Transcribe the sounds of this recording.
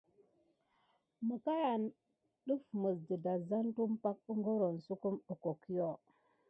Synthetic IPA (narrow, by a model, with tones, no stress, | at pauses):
mu˨ka˦ja˨n | ɗu˦fmə˨sdi˨da˨za˦ntu˦mpa˦k̚u˦ŋɡo˦ɾo˨nsu˦ku˦mu˨ko˨ki˦jo˦˨